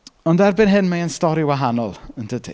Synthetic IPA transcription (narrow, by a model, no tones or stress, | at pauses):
ɔndɛrbɪnɦɪnmaənstɔɾiwaɦanɔ̰lˠənd̥ʰədʰḭ